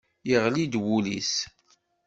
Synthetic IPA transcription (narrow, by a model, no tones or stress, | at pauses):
jəʁlid̪wulis